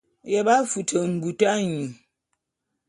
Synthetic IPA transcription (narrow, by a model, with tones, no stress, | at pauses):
jɛ˨ɓa˦fu˨tʰə˨m̩˨bu˨ta˦ɲu˨